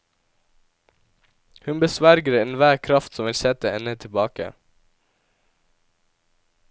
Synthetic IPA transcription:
hʉnbəsʋæɾɡəɾɪnʋæːɾkʰɾɑft̪sɔmʋɪlsɛt̪əɛnət̪ʰɪbɑːkə̰

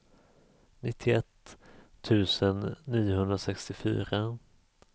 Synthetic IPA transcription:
nɪt̪ʰːɪɛt̪ʰː | ʉ̟ːsənːiːʊhɵnd̪ɾasɛkst̪ɪfy̰ːɾa

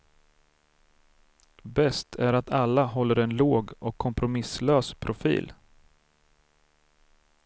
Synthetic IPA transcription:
bɛst̪ʰæɾat̪ʰalːaɦɔlːəɾɛnloːɡɔkʰːɔmpɾʊmɪsløːspʰɾʊfḭːl

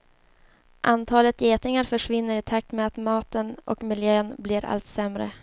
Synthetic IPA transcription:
ʔant̪ʰɑːlət̪jeːt̪nɪŋaɾfœʂvɪnːəɾɪt̪ʰak̚t̪meat̪mɑːt̪ənʔɔ̰kmɪljøːnblɪɾa̰lt̪sɛmɾə̰

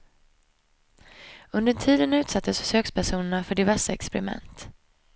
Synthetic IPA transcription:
ɵnd̪əʈʰiːd̪ənʉ̟ːt̪sat̪ʰːəssøːkspʰæʂuːnəɳafœɖɪvæʂaɛkspɛɾɪmɛ̰nt̪

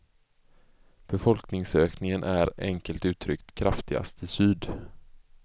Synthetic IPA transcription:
b̥ɛfɔlknɪŋsøːknɪŋənʔæɾɛŋkəlt̪ʉ̟ːt̪ʰɾʏkt̪kʰɾʔaft̪ɪɡa̰st̪ʰɪsyːd̪

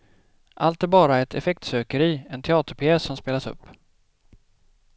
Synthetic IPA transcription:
ʔalt̪̚ɛbɑːɾaɾɛt̪ʰɛfɛkt̪søːkəɾiːɛnt̪ʰɛɑːt̪əɾpʰɪɛːsːɔmspeːlasɵ̰pː

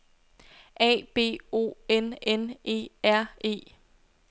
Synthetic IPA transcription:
ʔɛ̰ːb̥e̝̰ːo̝̰ːenenʔe̝̰ːæɐ̰ʔe̝̰ː

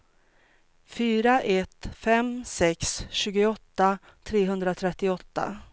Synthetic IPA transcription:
fyːɾaʔɛt̪fɛmsɛksɕʉ̟ːɡʊɔt̪ːa | t̪ʰɾeːɦɵnd̪ɾat̪ʰɾɛt̪ːɪɔt̪ːa̰

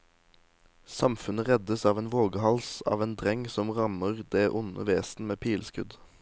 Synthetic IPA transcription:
sɑmfʉnəʁɛd̪əsɑːʋeːnʋoːɡəhɑlsɑ̰ːʋeːnd̪ʁɛŋsɔmʁɑməʁd̪eːʔʊnə̰ʋeːsn̩meːpʰiːlskʉd̪

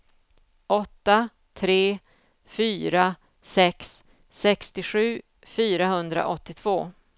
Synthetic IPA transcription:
ʔɔt̪ːa | t̪ʰɾeː | fyːɾa | sɛksː | ɛkst̪ɪɧʉ̟ː | fyːɾaɦɵnd̪ɾa̰ʔɔt̪ːɪt̪ʰv̥oː

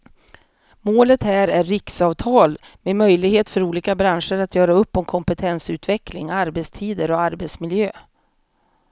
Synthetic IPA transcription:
moːlət̪hæːɾæɾːɪksɑːvt̪ʰɑːl | memœjlɪɡheːt̪fœɾuːliːkabɾanʂəɾat̪jœːɾaɵpːɔmkʰɔmpət̪ʰɛnsʉ̟ːt̪vɛklɪŋaɾbɛt̪st̪ʰiːd̪əɾɔaɾbɛt̪smɪljøː

